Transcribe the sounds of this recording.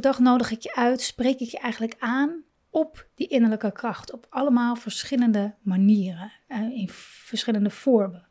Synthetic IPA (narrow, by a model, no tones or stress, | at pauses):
ədɑχnowdəχɪkjəʔœɥtsprejkɪkjəʔɛjχənləkaːn | ɔpdiʔɪnəɹləkəkrɑχtɔpɑləmaːlˠvəɹsχɪləndəmaniːrə | ɪn | vəɹsχɪləndəvɔːɹmə